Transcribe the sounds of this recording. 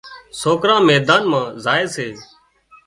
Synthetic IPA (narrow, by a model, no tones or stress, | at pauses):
soːkɾãːmɛːd̪aːnmãːzaːeːseː